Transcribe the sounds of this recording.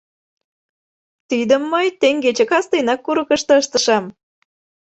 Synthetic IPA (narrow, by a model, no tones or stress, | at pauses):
t̪id̪ə̆mːɤjt̪eŋɡet͡ɕĕkɑst̪əjnɑkːuɾəkəʃt̪ɤ̆əʃt̪ə̆ʃɑm